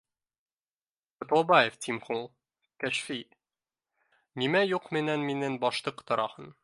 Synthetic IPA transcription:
ŏt̪ɑbɑjeft̪ʲimχulˠ | kæʃfi | nimæjuqmɘ̆nænminɘnbɒʃt̪ˠɤqt̪ɒ̆ɾʔɑhɤn

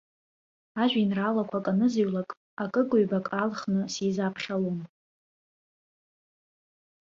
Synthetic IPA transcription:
aʒᶣinralakʷʰakʼanɨziɥlakʼ | akʼɨkʼʊɥbakʼalχnɨsizapʰχalom

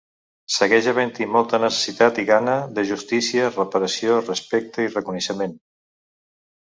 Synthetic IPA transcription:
səɣɛʒəβənt̪imɔlˠt̪ənəsə̥sit̪at̪iɣanəðəʒust̪isiərəpəɾəsiorəspɛk̚t̪əirəkunəʃəmen

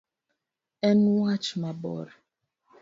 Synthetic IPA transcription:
ɛnuwat͡ʃmabɔ̰ɾ

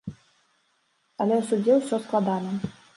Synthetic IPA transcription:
ɐlʲɛsud͡zʲɛwsʲɔsklˠad̪anɐ

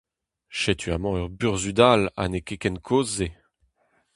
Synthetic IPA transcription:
ʃet̪ʰyamɑ̃œʁbyʁzyd̪ala̰nekekɛnkʰoːzːe

